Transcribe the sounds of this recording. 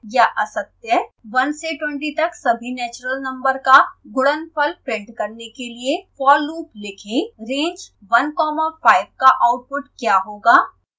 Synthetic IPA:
jaʔɐsət̪jəʋɐnseʈwɛ̃ɳʈit̪ɐksɐbʱinɛːt͡ʃɾəlnɐ̃mbəɾkaɡʊɽənpʰɐlpɾẽːɖkɐɾnekeliefɔːɾluːplɪkʰẽɾẽːɲd͡ʒ | ʋɐnkɔːmafaːɪb̚kaʔaːʊʈ̚pʊʈkjaːɦoːɡaː

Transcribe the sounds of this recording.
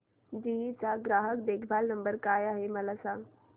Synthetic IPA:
d͡ʒiit͡saɡɾaːɦəkd̪ekʰbʱaːlnəmbəɾkajaɦeməlasãŋɡ

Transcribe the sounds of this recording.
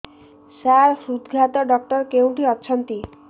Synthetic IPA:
saɾsud̪ɡʱat̪ɔɖɔk̚ʈɔɾkew̃ʈʰiɔt͡ʃʰɔnt̪i

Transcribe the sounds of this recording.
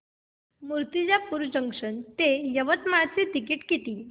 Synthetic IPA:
muɾt̪id͡ʑapuɾud͡ʑəŋkʂənt̪ejəʋət̪mat͡sit̪ikiːʈkit̪iː

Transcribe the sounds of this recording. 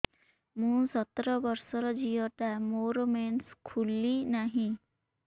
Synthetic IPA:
mũsɔt̪ɾɔbɔɾsɔɾɔd͡ʒiɔʈamoɾɔmenskʰulinaɦĩ

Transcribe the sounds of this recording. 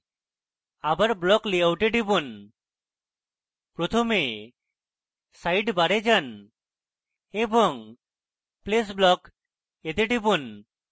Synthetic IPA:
abaɾblɔklijawʈeʈibun | pɾot̪ʰome | sajʈbaɽed͡ʒan | ebɔŋ | ples̬blɔk | ed̪eʈibun

